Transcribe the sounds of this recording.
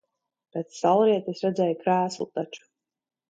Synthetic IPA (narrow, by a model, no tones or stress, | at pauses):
pɾɛt̪ssalˠɾiɛt̪isɾɛd̪zʲɛːjukɾæːslˠut̪at͡ʃu̥